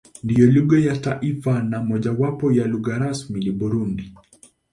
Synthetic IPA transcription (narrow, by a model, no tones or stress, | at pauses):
ndijɔluɡajataʔifanamɔʄawapɔjaluɡaɾasmilibuɾundi